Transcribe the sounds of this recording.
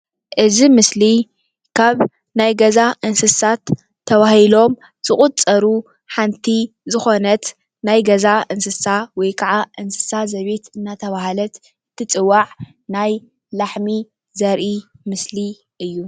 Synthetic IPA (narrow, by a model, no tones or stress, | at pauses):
ʔɨzimɨsli | kʰaβ | najɡɐzaʔɨnsɨsat̪ʰː | ɐβahilo̞m | z̥ɨχʼut͡sʼːɐɾu | ħant̪ʰi | zɨxo̞nɐt̪ | najɡɐzaʔɨnsɨsawɔjkʰaʕaʔɨnsɨ̥sazɐβe̞t̪ɨnːat̪ʰɐβaɦalɐt̪ | ɨt̪ʰːɨt͡sʼɨwaʕ | naj | laħmi | zɐɾʔimɨsli | ʔɨjːu